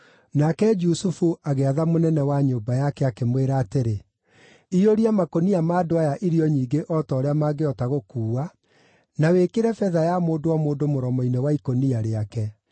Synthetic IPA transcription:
nakɛd͡ʒusufuʔaɣeaðamonɛnɛwaɲoːbajakɛakemweɾaːteɾe | ioɾiamakoniamaːdoajaʔiɾiɔɲiːɡeʔɔtɔːɾeamaɡeɔtaɣokuːwa | nawekeɾɛfɛðajamoːdoamoːdomoɾɔmɔinɛwaikoniaɾeakɛ

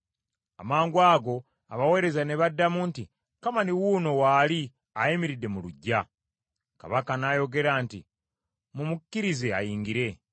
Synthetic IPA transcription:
a̰maːŋɡwaːɡo̞ | a̰βawe̞ːɾe̞zaneβadːamunti | kamaniwuːno̞waːli | ajimiɾidːe̞muluɟːa | ka̰βakanajo̞ɡe̞ɾaːntḭ | mumukcːiɾizea̰jiːŋɡiɾe̞

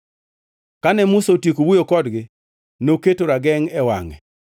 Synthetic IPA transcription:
kanɛmʊsotjekowujokɔdɡɪ | noketoɾaɡɛŋɛwa̰ŋɛ

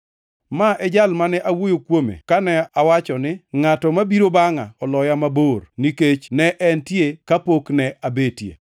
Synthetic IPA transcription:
maʔɛd͡ʒalmanɛʔawojokwomḛkanɛawat͡ʃɔnɪŋatɔmabiɾobaŋaɔlɔjamaborniket͡ʃnɛʔɛntjekapoknɛʔabetjḛ

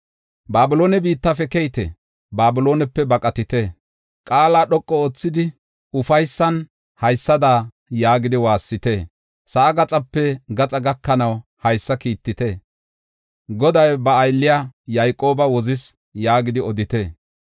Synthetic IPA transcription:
baːbɪlo̞ːnɛbiːt̪ːɐfɛkɛjt̪ɛ̰ | baːbɪlo̞ːnɛpːɛbɐkʼɐt̪ɪt̪e | kʼaːlaːɗɔkʼːɔoːt͡sːɪd̪ɪ | ʊfɐjsːɐn | hɐjsːɐd̪aː | jaːɡɪd̪ɪwaːsːɪt̪eː | sɐʔːɡɐt͡sʼɐpːɛɡɐt͡sʼɐɡɐkːɐnɐwhɐjsːɐkiːt̪ːɪt̪e | ɡɔd̪ɐjbɐːjlːɪjaːjajkʼːo̞ːbɐwɔzɪs | jaːɡɪd̪ɪɔd̪ɪt̪e

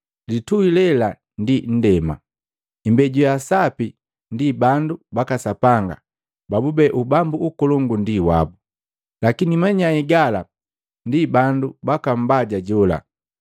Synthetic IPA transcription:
lituilɛla | ndin̩dɛma̰ | imbɛɟujasapi | ndibandubakasapaŋɡa̰ | babubɛʔubambuːkɔlɔŋɡundiwa̰bu | lakinimaɲaɛɡala | ndibandubakam̩baɟaɟɔla̰

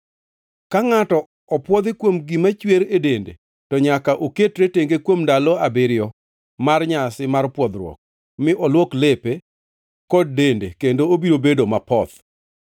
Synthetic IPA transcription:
kaŋatɔ | ɔpwɔd̪ɪkwomɡimat͡ʃweɾedendḛ | tɔɲakaʔoketɾeteŋɡekwomdalɔabɪɾjɔ | marɲasɪmarpwɔd̪ɾwɔ̰k̚ | mɪʔɔlwoklepe | kɔd̚ːendḛkendoobiɾobedomapɔt̪

